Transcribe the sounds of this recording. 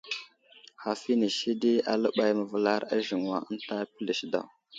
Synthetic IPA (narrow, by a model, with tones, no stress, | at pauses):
ha˨fi˦ni˨ʃi˦di˦a̰˨lə˦ɓa˦jmə˨və˨la˦ɾa˦ʒi˨ŋ˨wa˨ə˦n˦ta˦pi˦li˨ʃda̰˨w